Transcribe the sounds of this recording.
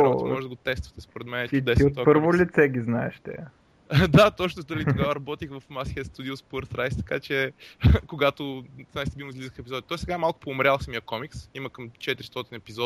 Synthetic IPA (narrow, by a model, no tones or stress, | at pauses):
ɔt̪mɔʒɛd̪ɐɡot̪ɛst̪vɐt̪ɛspoɾɛt̪mɛnɛt̪id̪ɛsiot̪apɤɾvolʲit̪sɛɡʲiznaɛʃt̪ɛ̰ | d̪at̪ɔt͡ʃnot̪əlit̪oɡavəɾɐbɔt̪ixvɐfmasiəst̪ud̪iospəɾt̪ɾajst̪ɐ̥kat͡ʃɛkoɡat̪ʊzast̪ɛbimizlizəxɛpizɔd̪it̪ɔisɛɡaɛmalˠkʊ̥poːmɾʲalˠsɐmiəkɔmiksimɐkɐmt͡ʃɛt̪iɾist̪ɔt̪inɛpizɔ